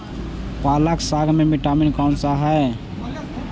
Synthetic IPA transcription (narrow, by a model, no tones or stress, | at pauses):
palaksaɡʱmemiʈaminkant͡ʃaɦɛ